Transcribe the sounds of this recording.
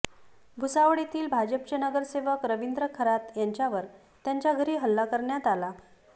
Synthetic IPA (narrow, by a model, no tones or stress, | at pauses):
bʱusaʋəɽ̃it̪iːlbʱad͡ʑəpt͡ɕenəɡəɾseʋəkɾəʋind̪ɾəkʰəɾat̪jaɲt͡ɕjaʋəɾ | t̪jaɲt͡ɕjaɡʱəɾiːɦəlːakəɾɳjat̪ala